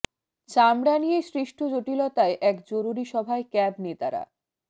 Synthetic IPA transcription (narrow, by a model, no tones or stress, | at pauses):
t͡ɕamɽanijesɾiʃʈʰod͡ʑoʈilɔt̪aeʔɛkd͡ʑoɾuɾiʃɔbʱaekɛbnet̪aɾa̰